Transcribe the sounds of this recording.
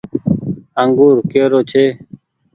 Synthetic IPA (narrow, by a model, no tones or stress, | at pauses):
əŋɡuːɾkeːɾoːt͡ʃʰeː